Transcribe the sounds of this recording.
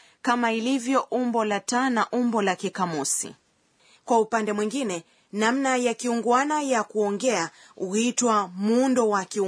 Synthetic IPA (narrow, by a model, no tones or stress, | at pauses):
kamailivjɔʔumbɔlatanaʔumbɔlakikamɔsḭ | kwaupandɛmwiŋɡinɛ | namnajakiuŋɡwanajakuɔŋɡɛa | uhitwamundɔwaki